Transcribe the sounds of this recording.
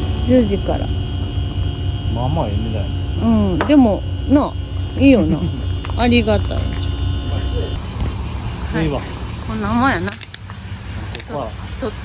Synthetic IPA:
d͡ʑɨːd͡ʑika̰ɾa̰ | namaemit̪aneɯ̟̃ɴd̪e̞monãiːjona̰aɾʲiɡat̪a̰ia | aiβakonamajana | koka

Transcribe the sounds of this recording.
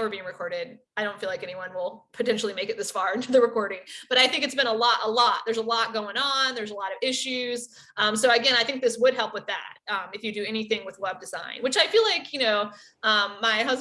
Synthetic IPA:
və˞biɪ̃ŋɹɨkʰɔɹɾɪd̥aɪɾõʊ̃ntfilaɪkɛniwʌ̃nwɪlˠpʰɨtʰɛ̃nʃl̩ˠimeɪkɨt̪̚ðɪsfɑɹɪ̃ntʰʉðɨɹɨkʰɔɹɾɪ̃ŋb̥ʌɾaɪθɪ̃ŋk̬ɨtsb̥ɨ̃ɾ̃əlɔɾə̰lɔt̚ðə˞zəlɔt̚ɡ̥oʊɪ̃ŋə̃nðə˞zəlɔɾʌvɪʃʉz̥ | ʔʌ̃msoʊɨɡɛ̃ɾ̃aɪθɪ̃ŋk̚ðɪswəd̚ɦɛlˠpwəðæ̰t̚ʌ̃mɨfjɨdɨɛniθɪ̃ŋwəðwɛb̚dɨzã̰ɪ̃nwɨt͡ʃaɪfilaɪkʰjɨnoʊ | ʔʌ̃mːaɪɦʌz

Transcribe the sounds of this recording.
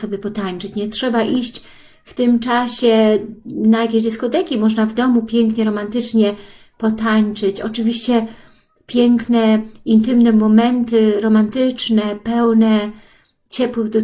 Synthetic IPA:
ɔbʲjɛpɔt̪aɲt͡ʂɘt͡ɕɲɛtʂɛbaʔiɕt͡ɕ | ft̪ɘmt͡ʂaɕɛ | najakʲeʑd̪ɛskɔt̪ɛkʲimɔʐnavd̪ɔmupʲjɛŋkɲɛɾɔmant̪ɘt͡ʂɲɛ | pɔt̪aɲt͡ʂɘt͡ɕɔt͡ʂɘvʲiɕt͡ɕɛ | pʲjɛŋknɛint̪ɘmnɛmɔmɛnt̪ɘɾɔmant̪ɘt͡ʂnɛpɛwnɛ | t͡ɕɛpwɘɣd̪ɔ

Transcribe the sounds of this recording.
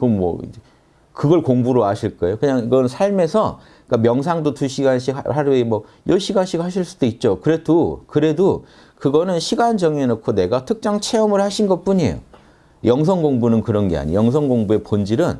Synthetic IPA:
kommwʌ̰ḭ | kɯɡʌɭkoŋbuɾoaɕʰiɭk͈ʌejokɯɲaŋiɡʌnɯnsʰaɭme̞sʰʌ | k͈amjʌŋsʰaŋdotuɕʰiɡanɕʰikhaɾmwʌjʌɕʰiɡanɕʰikaɕʰiɭs͈u̥d̥oit̚t͡ɕ͈okɯɾe̞dokɯɾe̞do | kɯɡʌnɯnɕʰiɡand͡ʑʌŋenokʰone̞ɡatʰɯk̚t͡ɕ͈aŋt͡ɕʰe̞ʌmɯɭhaɕʰinɡʌp͈uɲḛjo̰ | jʌŋs̬ʰʌŋɡoŋbunɯnkɯɾʌnɡe̞̰a̰ɲḭjʌŋs̬ʰʌŋɡoŋbue̞pond͡ʑiɾɯn

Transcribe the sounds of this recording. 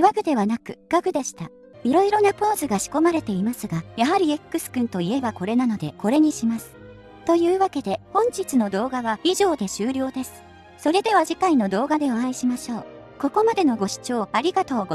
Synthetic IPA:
βaɡɯ̟d̪e̞βanakɯ̟ɡ̥aɡɯ̟d̪eɕi̥t̪a | iɾo̞iɾo̞napo̞ːzɨɡaɕi̥ko̞maɾe̞t̪e̞imasɨɡajaɦaɾʲie̞kːɯ̟sɨ̥kɯ̟̃nt̪o̞ie̞bako̞ɾe̞nano̞d̪e̞ko̞ɾe̞ɲ̟iɕimasɨ̥ | t̪o̞jɯ̟ːβake̞d̪e̞hõ̞ɲ̟d͡ʑit͡sɨno̞d̪o̞ːɡaβaiʑo̞ːd̪e̞ɕɨːɾʲo̞ːd̪e̞sɨ̥ | so̞ɾe̞d̪e̞β̞aʑikaino̞d̪o̞ːɡad̪e̞oãiɕimaɕo̞ː | ko̞ko̞mad̪e̞no̞ɡo̞ɕi̥t͡ɕo̞ːaɾʲiɡat̪oːɡo

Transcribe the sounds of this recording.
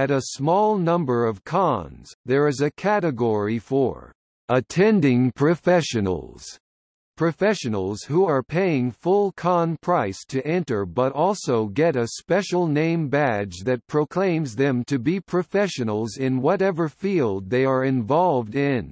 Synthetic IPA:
ɨɾəsmɔlˠnʌ̃mbə˞ʌv̥kʰɑ̃nz̥ðə˞ɨzɨkʰæɾɨɡɔɹifə̰˞ | ətʰɛ̃ndɪ̃ŋpʰɹ̥ɨfɛʃɨn̰l̩ˠz̥ | pʰɹ̥ɨfɛʃɨnl̩ˠz̥huə˞pʰeɪɪ̃ŋfʊlˠkʰɑ̃npʰɹ̥aɪstʰɨʔɛ̃ntə˞bʌɾɔlˠsoʊɡɛɾɨspɛʃl̩ˠnẽɪ̃mbæd͡ʒðɨt̚pʰɹ̥oʊkʰl̥ẽɪ̃mzðɨ̃mtʰɨbipʰɹ̥ɨfɛʃɨnl̩ˠzɪ̃nwʌɾɛvə˞filˠd̪̚ðeɪə˞ɨ̃ɱvɑlˠvdɪ̃n

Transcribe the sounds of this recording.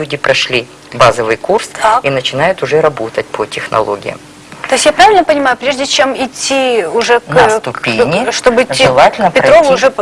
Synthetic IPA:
udʲɪpɾɐʂlʲi | bazəvɨjkursainət͡ɕɪnajʊt̪ʊʐɛɾɐbo̞t̪ət̚ʲpʰotʲɪxnɐ̰lˠo̰ɡʲɪ̰jə̰m | t̪o̞ɪsʲtʲjapɾavʲɪlʲnəpənʲɪmajʊpɾʲeʐdʲɪt͡ɕemɪtʲːiʊʐɛkst̪ʊpʲenʲɪʂt̪obɨɪtʲːiɨlˠatʲɪlʲnəpʲɪt̪ɾovʊʊʐɛ

